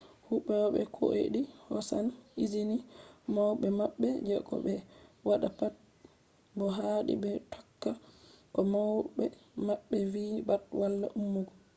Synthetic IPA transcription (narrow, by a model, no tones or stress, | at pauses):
huɓːɛwɔɓɛ̰kʰo̰ʔḛɗihɔsanid͡ʒinimawɓɛmaɓːɛd͡ʒɛɡɔ̰ɓɛwaɗapat̚ | bɔɦaɗḭbɛtʰɔ̥kːakɔmawbɛmaɓːɛvibatwalːa̰ʔumːuɡɔ